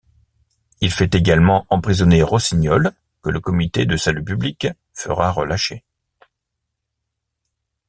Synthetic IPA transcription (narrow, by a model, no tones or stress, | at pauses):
ilfɛt̪eɡalmɑ̃ɑ̃pχizɔneʁɔsiɲɔl | kəlʔəkɔmit̪ed̪əsalypyblik | fə̰ʁaʁəlaʃe